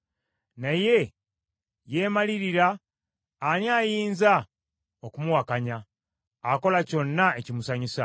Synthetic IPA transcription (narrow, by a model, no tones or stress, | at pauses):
naje̞ | je̞ːmaliɾiɾaː | njaːjiːnza | okumuwakaɲaː | ko̞laco̞nːaecimusaɲisa